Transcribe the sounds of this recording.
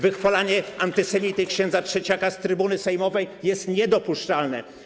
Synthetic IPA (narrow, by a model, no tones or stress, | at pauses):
vɘxfalaɲɛant̪ɘsɛmʲit̪ɘkɕɛ̃nd̪zatʂɛt͡ɕakast̪ɾɘbunɘsɛjmɔvɛjjɛst̪ɲɛd̪ɔpuʂt͡ʂalnɛ̰